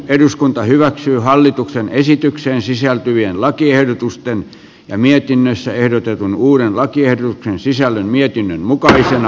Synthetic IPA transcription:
eduskunt̪ɑhyʋæksyːhɑlːit̪uksenesit̪ykseːnsisælt̪yʋienlɑkiehdot̪ust̪en | jɑmiet̪inːøsːæehdot̪et̪unuːɾenlɑkiehdot̪uksensisælːønmiet̪inːønmukɑisenɑ

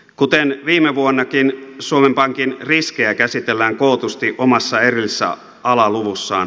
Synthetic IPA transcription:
kut̪enʋiːmːeʋuonːɑkinsuomempɑŋkinriskeækæsit̪elːæːŋkoˑːt̪ust̪iʔomɑsːɑerilːsːæ̰ | ʔɑlɑluʋusːɑ̰ːn

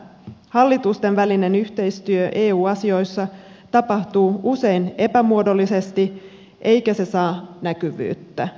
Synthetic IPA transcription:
hɑlːit̪ust̪e̞nʋæline̞nyht̪e̞jst̪yøʔe̞ːuːɑsio̞jsːɑ | t̪ɑpɑht̪uːuse̞jne̞pæmuodo̞lːise̞st̪i | ʔe̞jkæse̞sɑːnækyʋy̰ːt̪ːæ

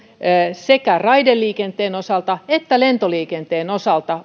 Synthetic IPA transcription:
sekærɑidelːiːkent̪eːnosɑlt̪ɑet̪ːælent̪oliːkent̪eːnosɑlt̪ɑ

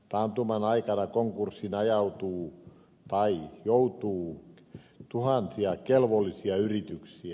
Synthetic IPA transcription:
t̪ɑnt̪umɑnɑikɑnɑkoŋkursːinɑjɑut̪uː | t̪ɑijout̪uː | t̪uhɑnsiɑkelʋolːisiɑyrit̪yksiæ

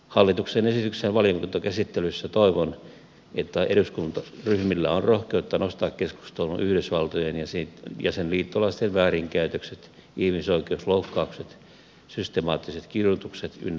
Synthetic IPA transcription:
hɑlːit̪uksenesit̪yksenʋɑliokunt̪okæsit̪ːelysːæt̪oiʋon | et̪ːæeɾuskunt̪ɑryhmilːæonrohkeut̪ːɑnost̪ɑːkkesku̥st̪olunʔyhɾysʋɑlt̪ojenjɑsitjɑ̰senliːt̪ːolːɑst̪eʋʋæːriŋkæyt̪økset̪ | ihmisoikeusloukːɑukset̪ | syst̪emɑːt̪ːiset̪kirjut̪ukset̪y̰nː

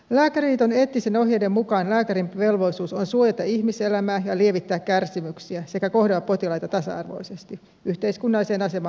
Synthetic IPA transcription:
læːkæɾiːt̪one̞ːt̪ːiseno̞ɦjedemmukɑːnlæːkæɾimʋe̞lʋo̞isuːsonsuojɑt̪ɑihmise̞læmæːjɑlie̞ʋit̪ːæːkkærsimyksiæse̞kæko̞ɦhdelːɑpːo̞t̪ilɑjt̪ɑt̪ɑsɑ̰ɑ̰rʋo̞̰ise̞st̪i | ʔyht̪e̞iskunːɑlːise̞ːnɑse̞mɑː

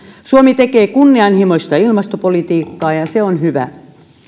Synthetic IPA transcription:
suomit̪ekeːkunːiɑnhimoist̪ɑilmɑst̪opolit̪iːkːɑːjɑseonhyʋæ̰

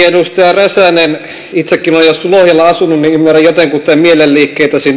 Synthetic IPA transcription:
eɾust̪ɑjɑræsænen | it̪sekːinojjosulohjɑlːɑɑsununniymːuræjjot̪eŋkut̪ːæmielelliːkːeːt̪æsin

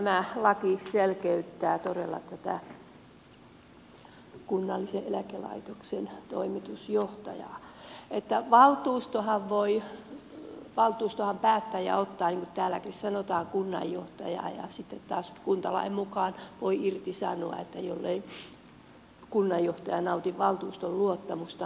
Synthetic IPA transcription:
mælɑkiselkeyt̪ːæːt̪orelːɑ̰t̪æt̪æ̰ | kunːɑlːiseʔelækelɑ̰it̪oksent̪oimit̪usjoht̪ɑjɑ̰ːet̪ːæʋɑlt̪uːst̪ohɑʋʋoi | ʋɑlt̪uːst̪ohɑmpæːt̪ːæːjjɑ̰ot̪ːɑːniŋkut̪t̪æːlːækissɑnot̪ɑːŋkunːɑ̰jjoht̪ɑ̰jɑ̰ːjɑ̰sit̪ːet̪t̪ɑːskunt̪ɑlɑ̰immukɑːˑnʋoiirt̪isɑnoɑ̰et̪ːæjolːei | kunːɑjjoht̪ɑjɑnɑut̪iʋʋɑlt̪uːst̪olluot̪ːɑmust̪ɑ

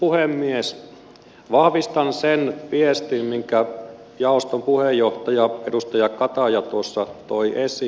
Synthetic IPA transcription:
puhemːies | ʋɑhʋist̪ɑnsenpiest̪immiŋkæ | jɑost̪ompuhejːoht̪ɑjɑedust̪ɑjɑkɑt̪ɑjɑt̪uosːɑt̪oiʔesi

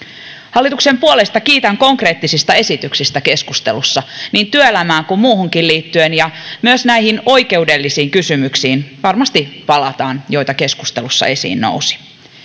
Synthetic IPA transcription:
hɑlːit̪ukse̞mpuolest̪ɑkiːt̪æŋko̞ŋkre̞ːt̪ːisist̪ɑe̞sit̪yksist̪æke̞skust̪elusːɑniːnt̪yøelæmæːŋkummuːhuŋkilliːt̪ːyenjɑmyøsnæiɦino̞ijke̞udelːisiːŋkysymyksiːnʋɑrmɑst̪ipɑlɑt̪ɑːnjo̞jt̪ɑke̞skust̪elusːɑ̰e̞sḭːnːo̰usi̥

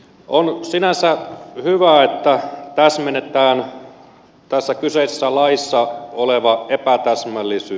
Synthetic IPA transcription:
ʔonsinænsæhyʋæːet̪ːæt̪æsmenːet̪ˑæːn | t̪æsːækyseisesːælɑisːɑoleʋɑepæt̪æsmælːisyː

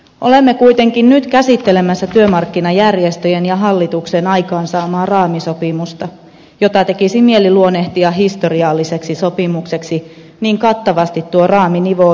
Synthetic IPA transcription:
ʔo̞̰lemːekuijt̪e̞ŋkinnyt̪kæsit̪ːelemæsːæt̪yømɑrkːinɑjærjest̪øjenjɑɦɑlːit̪uksenɑjkɑːnsɑːmɑːrɑːmiso̞pimust̪ɑ | jot̪ɑt̪e̞kisimieliluoneht̪iɑɦist̪o̞riɑlːiseksisopimukse̞ksi | niːŋkɑt̪ːɑʋɑst̪it̪ːuorɑːminiʋo

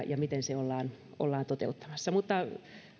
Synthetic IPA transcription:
jɑmit̪enseolːɑːn | ʔo̰lːɑːnt̪ot̪ḛut̪ːɑ̥mɑsːɑmut̪ːɑ

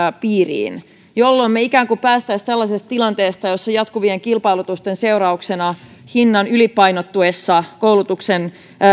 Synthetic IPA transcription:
piːrḭːn | jolːo̞mmeikæːŋkupæːst̪æist̪ælːɑsest̪t̪ilɑnt̪eːst̪ɑjosːɑjɑt̪kuʋieŋkilpɑjlut̪ust̪ense̞uɾɑuksenɑhinːɑnylipɑjnot̪ːuesːɑkowlut̪uksen

